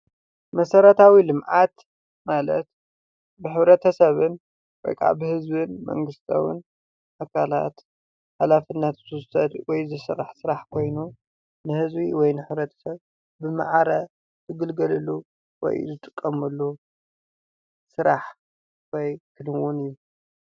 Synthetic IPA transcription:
mɐsɐɾɐt̪ʰawilɨmʕat̪ | malɐt̪ | bɨħɨβɾɐt̪ʰɐsɐβɨn | wɔ̰jkʰa̰bɨhɨzbɨnmɐ̰ŋɡɨst̪ʰɐ̰wɨ̰n | ʔakʰala̰t̪ | ħalafɨnːat̪z̥ɨɨʊsɐd̪wɔjzɨsɨrːaħsɨɾaħkʰo̞jnu | nɨhɨzbiwɔjnɨħɨβɾɐt̪ʰɐ̥sɐβ | bɨma̰ʕaɾɐ | zʰɨɡɨlɡɐlɨlːu | wɔ̰jzɨt̪ʼɨkʼːɐmɐlːu | sɨɾaħ | wɔjkʰɨnɨwʊnɨjːu

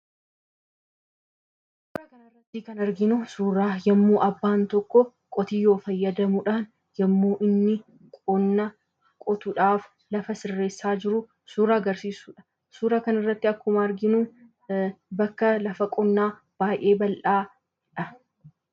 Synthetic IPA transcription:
s | uːɾɐkɐnɪrːɐt̪ːikɐnɐɾɡɪnʊsuːɾaːjɐmːuːʔɐbːaːnt̪ɔkːɔ | kʼɔt̪iːjo̞ːfɐjːɐd̪ɐmʊᶑaːn | jɐmːuːʔɪnːɪ | kʼɔnːɐ | kʼɔt̪ʊᶑaːf | lɐfɐsɪrːe̞ːsːaːd͡ʒɪɾʊ | suːɾaɐɡɐɾsiːsuːᶑɐ̥ | suːɾaːkɐnɐrːɐt̪ːɪɐkːʊmɐːɾɡɪnʊ | bɐkːɐlɐfɐkʼɔnːaː | b̥aːjʔe̞ːbɐlʔaː | d͡ʒᶑɐ

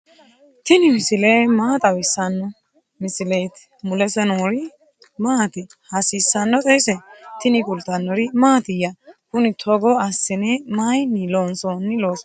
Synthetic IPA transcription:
t̪ɪnɪmɪsɪleːmaːt̪ʼɐwɪsːɐnːɔ | mɪsɪleːt̪ | mʊlɛsɛnɔɾɪ | maːt̪ɪ | hɐsiːsːɐnːɔt̪ʼɛjsɛt̪ɪnɪkʊlt̪ɐnːɔɾɪmaːt̪ɪjɐkʊnɪt̪ʰɔɡɔɐsːɪnɛmajniloːnsɔnːɪloːs

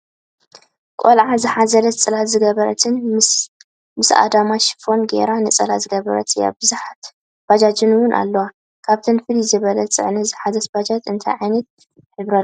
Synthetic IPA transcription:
kʷʼolʕazɨħazɐlɐt̪t͡sʼɨlat̪zɨɡɐβɐɾɐ̰t̪ʰɨn | mɨsa̰d̪amaʃfo̞nɡḛɾanɨt͡sʼɐlat̪zɨɡɐβɐɾɐ̰t̪ʰja̰bɨzuħat̪ | b̥ad͡ʒad͡ʒɨnwʊnʔa̰lːɐwa | kʰaβt̪ʰɨnfɨlizɨβɐlɐt͡sʼɨ̰ʕnɨzɨħazɐt̪bad͡ʒat̪ɨnt̪ʰajʕajnɐt̪̚ | ħɨβɾɐ

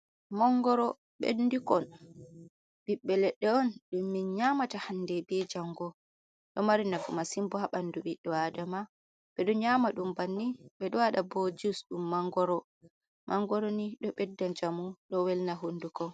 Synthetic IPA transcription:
maŋɡɔɾɔ | ɓḛndukɔn | ɓiɓːɛlɛɗːɛɔnɗumːinɲamatahandɛbɛd͡ʒaŋɡɔ | ɗɔmaɾinaɡumasimbɔhaɓanduɓiɗɔadama | bɛɗɔɲamaɗumbanːiɓɛɗɔwaɗabod͡ʒusɗumːaŋɡɔɾɔ | mʔaŋɡɔɾoniɗɔɓɛdːand͡ʒamuɗɔwɛlnaɦondukɔ

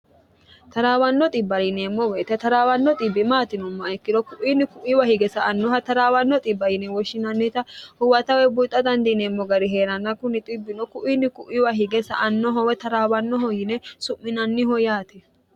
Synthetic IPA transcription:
t̪ɐɾaːwɐnːɔt̪ʼɪbːɐlɪneːmːɔwɛːt̪ɛt̪ɐɾaːwɐnːɔt̪ʼɪbːɪmaːt̪ɪnɔmːɐɐkːɪd̪ɔkʊʔinːɪkʊʔɪwɐhɪɡɛsɐːnːɔɦɐt̪ɐɾaːwɐnːɔt̪ʼɪbːɐjɪnɛwɔʃːɪnɐnːɛt̪ɐhʊwɐt̪ɐwɛbʊt̪ʼːɐd̪ɐnd̪ineːmːɔɡɐɾɪɦeːɾɐnːɐkʊnɪt̪ʼɪbːɪnɔkʊʔinːɪkʊʔɪwɐɦɪɡɛsɐ̰ʔɐnːɔɦɔwɛt̪ɐɾaːwɐnːɔɦɔjɪnɛsʊmːɪnɐnːɪhɔjaːt̪ɛ

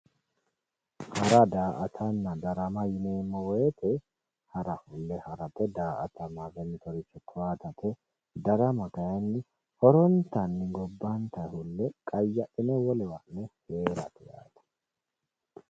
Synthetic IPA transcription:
hɐɾɐd̪aːʔɐt̪ʰɐnːɐd̪ɐɾɐmɐjɪneːmːɔwɔjɛt̪ɛ | hɐɾɐhʊlːɛhɐɾɐtːɛd̪aːʔɐt̪ʰɐmavɛnːɪt̪ɔɾɪt͡ʃːɔkʰːʊwaːt̪ɐt̪ʰɛ | d̪ɐɾɐmɐkɐjɐnːɪ | hɔɾɔnt̪ɐnːɪɡɔbːɐnt̪ɐhʊlːɛkʼɐjːɐʔɪnɛwɔlɛwɐnːɛheːɾɐt̪ɛja̰ːt̪ɐ̥

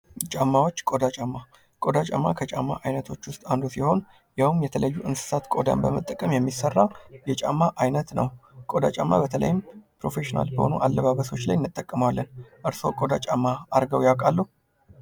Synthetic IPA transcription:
t͡ʃʼamːawo̞t͡ʃːkʼo̞d̪at͡ʃʼamːa | kʼo̞d̪at͡ʃʼa̰mːakʰət͡ʃʼa̰mːa̰ʔajnət̪ʰo̞t͡ʃːwʊst̪ʼand̪o̞siho̞n | jawmjɛt̪ʰələjːuʔɨnsɨ̥sat̪kʼo̞d̪a̰nbəmət̪ʼːəkʼəmjɛmːisərːajɛt͡ʃʼamːaʔajnət̪nə̰wkʼo̞d̪at͡ʃʼamːa̰bət̪ʰələ̰jɪmpɾo̞fe̞ʃina̰lbəho̰nuʔalːəβaβəso̞t͡ʃːlajnːɨt̪ʼːəkʼːəmwalːənʔɨɾso̞kʼo̞d̪at͡ʃʼamːaːɾɡəwjawkʼalːuh

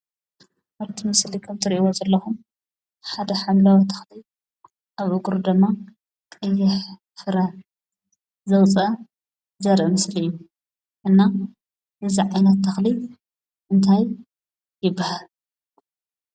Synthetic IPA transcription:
ʔaβt̪ʰimɨslikʰɐmt̪ʰɨɾiʔwozɐlːɐxum | ħad̪ɐħamlawɐt̪ʰɐ̥xli | ʔaβʔɨɡɾud̪ɨmːa | kʼɐjːɪħ | fɨɾɐ | zɐwt͡sʼɐ | zɐɾʔɨmɨslijːu | ʔɨnːa | ʔɨziʕajnɐt̪ʰːɐxli | ʔɨnt̪ʰajː | ɪbːahal

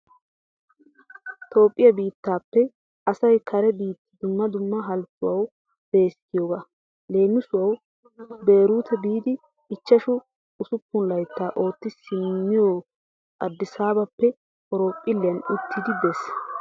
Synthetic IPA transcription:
t̪ʰo̞ːpʼːɪjɐbiːt̪ːaːpːɛ | ɐsɐjkʰɐɾɛbiːt̪ːɪd̪ʊmːɐd̪ʊmːɐɦɐlt͡sːʊwɐw | b̥e̞ːskɪjoːɡa | le̞ːmɪsʊwɐw | be̞ːɾuːt̪ʰɛbiːd̪ɪː | t͡ʃːɐʃʊ | ʊsʊpːʊnlɐjt̪ːaːʔo̞ːt̪ːɪsɪmːɪjoː | ɐd̪ːɪsaːbɐpːɛ | ɔɾo̞ːpʼːɪlːɪjɐnʊt̪ʰːɪd̪ɪbɛs

